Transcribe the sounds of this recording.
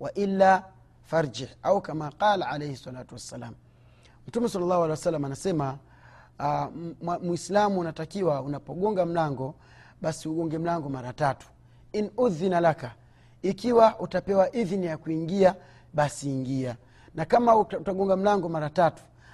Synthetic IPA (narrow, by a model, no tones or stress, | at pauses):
waʔilːa | faɾd͡ʒihaukamaqalaʕalɛjhɛsːalatuwasːalaːm̩ | m̩tumɛsɑlːalːahwalɛwasalːamanasɛma | amwislamuːnatakiwaunapɔɠɔŋɡam̩laŋɡɔ | ɓasiuɡɔŋɡɛm̩laŋɡɔmaɾatatu̥ | inuðinalaka | ikiwaʔutapɛwaʔiðnijakuiŋɡia | ɓasiːŋɡia | nakamautaɡɔŋɡam̩laŋɡɔmaɾatatu̥